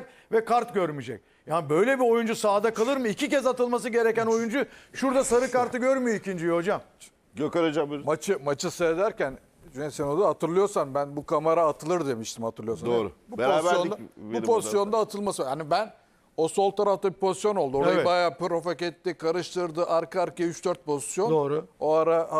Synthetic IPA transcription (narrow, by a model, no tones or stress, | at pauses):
vɛkʰaɾt̪ɟøɾmid͡ʒɛc̚ | jaːnbø̞jlʲɛbio̞jund͡ʒusaːd̪akalˠɯɾmɯicicɛzat̪ɯlˠmas̬ɯɟe̞ɾɛcæno̞jund͡ʒuʃuɾd̪asaɾɯkaɾt̪ɯɟøɾmyjoicind͡ʒijoɦo̞d͡ʒam | ɟøkaɾad͡ʒabimat͡ʃʰɯmat͡ʃʰɯsed̪æɾcæn | d͡ʒyesɛnod̪uat̪ʰɯɾlˠɯjo̞ɾsanbænbukʰamaɾaːt̪ʰɯlˠɯɾd̪e̞miʃt̪ʰimhat̪ʰɯɾlˠɯjo̞saoːɾ̰bubeoaːɾjonid̪abupʰo̞zissjo̞nd̪aːt̪ʰɯlˠmasɯhanibæn | o̞so̞lˠt̪ʰaɾaft̪ʰabipʰo̞zi̥sjo̞no̞lˠd̪uo̞ɾajbajaːpɾo̞fakɛt̪ːikʰaɾɯʃt̪ʰɯɾd̪ɯʔaɾkaaɾkayt͡ʃd̪øɾt̪̚pʰo̞zisjo̞noːɾʊo̞aɾaa